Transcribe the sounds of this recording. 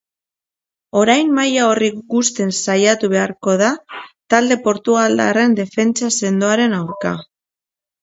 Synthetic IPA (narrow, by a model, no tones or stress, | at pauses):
o̞ɾajmːajao̞riɡust̪e̞nsajat̪uβe̞aɾko̞ðat̪ald̪e̞po̞ɾt̪uɣald̪a̰re̞nd̪e̞fe̞nt͡sase̞nd̪oaɾe̞nawɾka̰